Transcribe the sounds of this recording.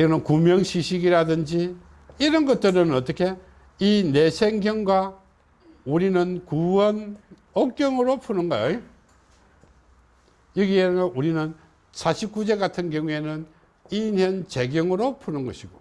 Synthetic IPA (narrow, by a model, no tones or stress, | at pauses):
ɡʌnɯnkumjʌŋɕʰiɕʰiɡiɾadɯnd͡ʑi | iɾʌnɡʌt̚t͈ɯɾɯnʌt͈ʌkʰe̞ | ine̞sʰeŋɡjʌŋɡwa | uɾinɯnkuwʌn | ʌk͈jʌŋɯɾopʰunɯnɡʌjo | jʌɡiennuɾinɯn | sʰaɕʰip̚k͈ud͡ʑekatʰɯnkjʌŋue̞nɯn | injʌnt͡ɕe̞ɡjʌŋɯɾopʰunɯnɡʌɕʰiɡo